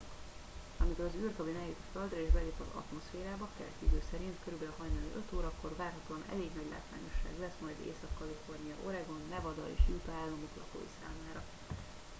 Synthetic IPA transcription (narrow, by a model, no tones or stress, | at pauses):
ɒmiko̞ɾɒzyːrkɒbinɛjit̪føld̪rɒeːʒbɛleːpɒzɒ̰t̪mo̞sfeːɾaːbɒkɛlɛ̰t̪jyd̪øːsɛɾint̪køɾybɛlɦɒjnanḭʔø̞t̪oːɾɒkːo̞rvaːrɦɒt̪oːɒnɛ̰leːɡnɒɟla̰ːt̪va̰ːɲo̞ʃːa̰ːɡlɛsmɒjd̪ḛːsɒkːɒlifo̞rnijɒo̞ɾɛɡo̞nːɛvɒd̪ɒ̰ḛːʃjut̪ɒaːlːɒmoklɒ̰po̰jḭsa̰ːmaːɾɒ